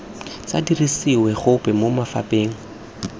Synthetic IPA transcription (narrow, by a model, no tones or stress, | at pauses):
t͡sa̰dirisiwɛχʊpʼɛmomafa̰pʼeːŋ̩